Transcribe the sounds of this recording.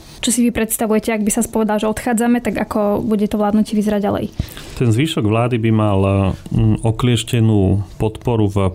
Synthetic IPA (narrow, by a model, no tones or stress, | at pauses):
t͡ʃɔsiʋipɾɛt̪st̪aʋujɛcɛaɡbisaspɔʋɛd̪alʒɛɔt̪xaːd͡zamɛt̪aɡakɔbuɟɛt̪ɔʋlaːd̪nucɪɛʋizɛɾaɟɟa̰lɛ̰jt̪ɛnzʋiːʃɔɡʋlaːd̪ibimal | ɔklɪɛʃcɛnuːpɔt̪pɔɾuv